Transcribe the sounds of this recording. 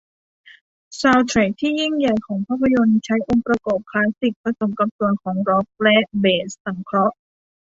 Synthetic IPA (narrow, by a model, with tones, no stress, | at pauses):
saː˧wt̪ʰɾɛː˦˩k̚t̪ʰiː˥˩ji˥˩ŋja˨˩jkʰɔː˩˦ŋpʰaː˥˩pʰa˧jo˧nt͡ɕʰa˦˥jʔo˧ŋpɾa˧kɔː˨˩p̚kʰlaː˦˥si˨˩k̚pɾa˧so˨˩mka˧m̚su˧˨˩ənkʰɔː˩˦ŋɾɔ˦˥p̚lɛ˦˥ʔbeː˧˩nsːa˨˩˦mkʰɾɔ˦˥ʔ